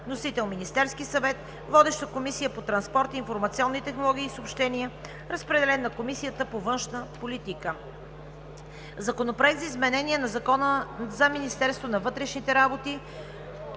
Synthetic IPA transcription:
nosit̪ɛlˠminist̪ɛɾskisɐvɛt̪ | vɔd̪ɛʃt̪əkomisijəpot̪ɾɐnspɔɾt̪iːnfoɾmɐt̪siɔnːit̪ɛxnolˠɔɡ̟ʲiːsopʃt̪ɛniə | ɾəspɾɛd̪ɛlɛnːɐkomisijət̪əpovɤnʃnəpolit̪ikə | zɐkonopɾoɛkt̪zəizmɛnɛnʲiɛnɐzɐkɔnəzɐminist̪ɛɾst̪vonɐvɤt̪ɾɛʃnit̪ɛɾabot̪i

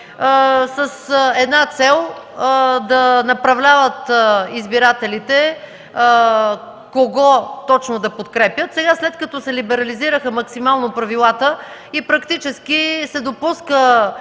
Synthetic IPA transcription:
səsɛd̪nat̪sɛlˠ | d̪ɐnɐpɾɐvlʲavət̪izbiɾat̪ɛlit̪ɛ | koɡɔt̪ɔt͡ʃnod̪ɐpot̪kɾɛpjət̪sɛɡaslɛt̪kɐt̪ɔsɛlibɛɾɐliziɾəxəmɐksimalˠnopɾɐvilˠat̪ə | ipɾɐkt̪it͡ʃɛskisɛd̪opuskə

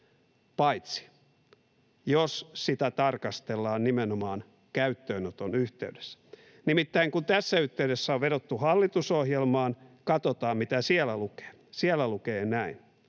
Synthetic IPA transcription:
pɑit̪si̥ | jossit̪æt̪ɑrkɑst̪elːɑːnnimenomɑːn | kæyt̪ːøːnot̪onyht̪ḛyde̥sːæ̥ | nimit̪ːæiŋkunt̪æsːæyht̪ːeydesːæoʋʋeɾot̪ːuhɑlːit̪usohjelmɑːnkɑt̪ot̪ɑːmmit̪æsiɛlːæluke̥ː | siælːˑælukeːnæin

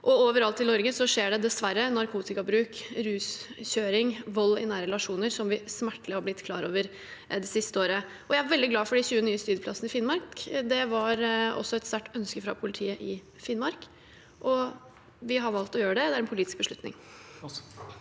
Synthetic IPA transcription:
ʔɔoːʋəɾɑlt̪ʰːɪlnɔɾɡəsɔʂeːɖɛd̪ɛsʋæɾːənɑɾkʰuːt̪ɪkɑbɾʉːkɾʉːsçøːɾɪŋʋɔlːɪnæːɾəɛlɑʂuːnəɾsɔmʋɪsmæʈːləhɑɾblɪt̪ːkʰlɑ̰ːɾoːʋəɾ | d̪ɛsɪst̪əoːɾə | ʔɔjæɪæɾʋɛld̪ɪɡlɑːfɔɖɪçʉːənyːəst̪yːd̪əpʰlɑsənəɪfɪnmɑɾkd̪ɛʋɑɾɔ̰sːɔɛt̪stæʈːœnskəfɾɑ̰pʰʊlɪt̪ʰiːəʔɪ | fɪnmɑɾk | ʔɔ | ʋɪɦɑɾʋɑlt̪ɔjøːɾəɖɛd̪ɛæɾɛnpʰʊliːt̪ɪ̥sk̚bəʂɭʉt̪nɪ̰ŋ

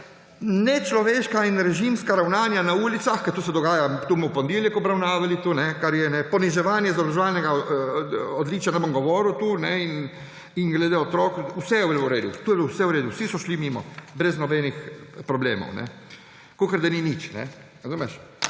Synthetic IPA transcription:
nɛt͡ʃlɔʋeːʃkainɾɛʒimskaɾawnaːnjanauːlit̪saxkaɾt̪oːsɛd̪ɔɡaːjat̪umɔpɔnd̪iljɛkɔbɾawnaːʋalit̪uːnɛkaɾjɛnɛpɔniʒɛʋaːnjɛzabɾɔʒɛʋaːlnɛɡa | ɔd̪liːt͡ʃjanɛbomɡɔʋɔːɾut̪unɛin | iŋɡlɛd̪eɔt̪ɾɔkuwsɛjɛweluɾeːd̪ṵt̪ujbwsɛuwɾeːd̪uwsisɔʃlimiːmɔ̰bɾɛznɔbɛnixpɾɔbleːmɔ̰wnɛ̰ | kokəɾd̪aninit͡ʃnɛ̰ | ɾazuːmɛʃ

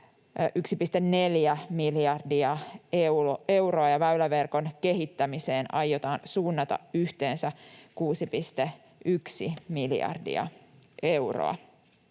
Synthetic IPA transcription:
ʔyksipist̪enne̞ljæmiljɑrdiɑewe̞wɾoɑjɑʋæylæʋerko̞nke̞ɦit̪ːæmiseːnɑjːo̞t̪ɑːnsuːnːɑt̪ɑ̰yht̪e̞ːnsækuːsipist̪e | ʔyksimiljɑ̰rdḭɑ̰ʔe̞uro̰ɑ̰

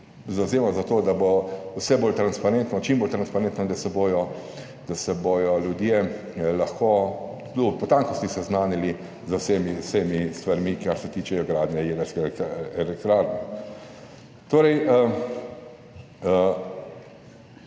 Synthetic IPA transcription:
zawzeːmazat̪oːd̪abowsɛboːlt̪ɾanspaɾɛnt̪nɔt͡ʃimboːlt̪ɾanspaɾent̪nɔd̪asɛbojɔ | d̪̥asɛbojɔljud̪je | laxko | t̪upɔt̪aŋkɔst̪isɛznaːnili | zwsemisemist̪ʋaɾmikaɾsɛt̪iːt͡ʃɛjɔɡɾaːd̪njɛjeːd̪əɾskɛɛlɛk̚t̪ɾaːɾnɛ | t̪oːɾɛjə | ə

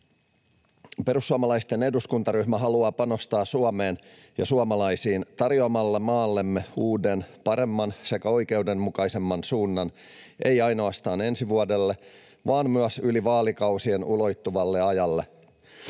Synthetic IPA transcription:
pe̞ɾusːuɑmɑlɑist̪ene̞duskunt̪ɑɾyhmæɦɑluɑːpɑno̞st̪ɑːsuɑme̞ːn | jɑ̰suɑmɑlɑjsiːnt̪ɑrjoɑmɑlːemɑːlːe̞mːeuːde̞npɑɾe̞mːɑnse̞kæo̞jke̞wde̞mːukɑjse̞mːɑnsuːnːɑn | ʔe̞jɑjno̞ɑst̪ɑːne̞nsiʋuodelːe̞ | ʋɑːmmyæsyliʋɑːlikɑwsienulo̞jt̪ːuʋɑlːe̞ɑjɑlːe̞

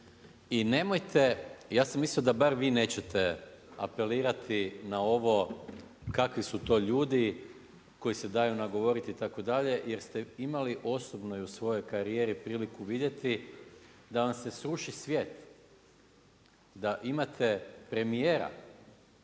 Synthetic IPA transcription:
ine̞mojt̪ʰe̞jaːsamːisliod̪abaɾʋiːne̞ːt͡ɕe̞t̪ea̰pe̞liːɾat̪ʰinao̞ʋo̞ | kakʋisut̪o̞ːʎuːd̪i | ko̞jise̞d̪ajunaɡo̞ʋo̞ɾit̪iːt̪ako̞d̪aʎe̞jeɾst̪e̞imaliʔo̞sobnojusʋo̞jo̞jkaɾije̞ːɾipɾiːlikuʋid̪je̞t̪i | d̪aʋamse̞sɾuʃisʋje̞ːt̪ | d̪aʔimat̪ʰe̞pɾe̞mijeːɾa̰

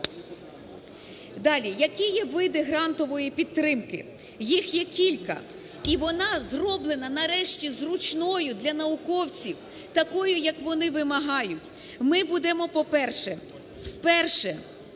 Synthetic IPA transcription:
d̪ɑlʲijɐkʲijɛʋɪd̪ɪɦɾɑnt̪ɔʋɔjipʲid̪̚t̪ːɾɪmkɪ̰ | jixjɛkʲilʲkɐ̰ | iʋɔnɑzrɔblˠenɐnɐɾɛʃtʲizrʊt͡ʃnɔjʊd̪lʲɐnɐʊkɔwt͡sʲiw | t̪ɐkɔjʊjɐkʋɔnɪʋɪmɐɦɑjʊtʲ | mɪbud̪ɛmɔpɔpɛrʃɛ | wpɛrʃɛ

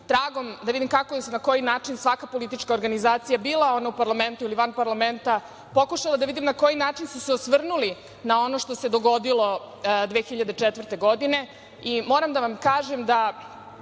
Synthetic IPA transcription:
t̪ɾaːɡo̞md̪aʋid̪imkakojesunako̞jinaːt͡ʃinsʋakapo̞lit̪it͡ʃkaoɾɡanizaːt̪sijabiːlˠao̞naupaɾlame̞nt̪uiliʋanpaɾlame̞nt̪a | po̞kuʃalad̪aʋid̪imnako̞jinaːt͡ʃinsuseosʋr̩nuli | nao̞no̞ʃt̪ose̞d̪o̞ɡo̞d̪ilˠo̞ | d̪ʋeːxiʎad̪et͡ʃɛt̪ʋrt̪e̞ɡo̞d̪ine̞ | imo̞ːɾamd̪aʋamkaːʒemd̪a

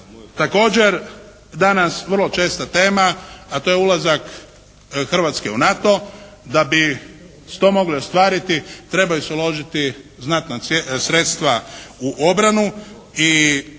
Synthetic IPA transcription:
t̪ako̞ːd͡ʑe̞ɾ | d̪anasʋərlˠot͡ʃe̞ːst̪at̪e̞ːmaːat̪oːjeulˠazak | xr̩ʋat̪skeunat̪o̞ | d̪abi | st̪o̞mo̞ɡlio̞st̪ʋaːɾit̪it̪ɾe̞bajuseulo̞ʒit̪iznat̪nasɾet̪st̪ʋauʔobɾanu | i

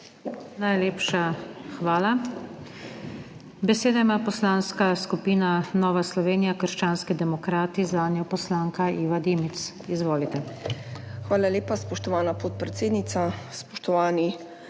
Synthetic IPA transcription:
najleːpʃaxʋaːla | bɛseːd̪aimaːpɔslaːnskaskupiːnanɔːʋaslɔʋeːnijakəɾʃt͡ʃaːnskid̪ɛmɔkɾaːt̪izaːnjɔpɔslaːŋkaiːʋad̪eːmit̪s | izʋoːlit̪ɛ | xʋaːlaleːpaspɔʃt̪ɔʋaːnapɔt̪̚pɾɛt̪seːd̪nit̪saspɔʃt̪ɔʋaːni

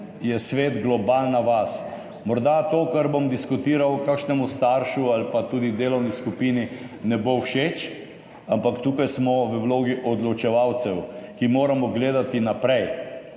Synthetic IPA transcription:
jɛsʋeːt̪ɡlɔbaːlnaʋas | mɔɾd̪at̪oːkɐɾbɔmd̪iskut̪iːɾawkakʃnɛmust̪aɾʃualpat̪uːd̪id̪eːlɔwniskupiːninɛbowʃeːt͡ʃ | ampakt̪uːkajsmɔʋəwloːɡiʔɔd̪lɔt͡ʃɛʋawt̪sɛwkimoːɾamɔɡleːd̪at̪inapɾɛj

